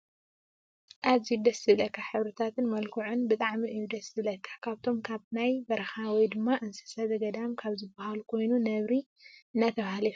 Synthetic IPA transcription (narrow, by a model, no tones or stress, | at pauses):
ʔaβzijud̪ɐsɨlɐkʰːaħɨβɾɨt̪ʰat̪ʰɨnmɐlkʰuʕunbɨt̪ʼaʕmiʔɨjːud̪ɐsɨlɐkʰːḁkʰaβt̪ʰo̞mkʰaβnajbɐɾɐxawɔjd̪ɨmːaʔɨnsɐ̥sazɐɡɐd̪amkʰaβzɨbahalukʰo̞jnunɐβɾi | ɨnːat̪ʰɐβahaliu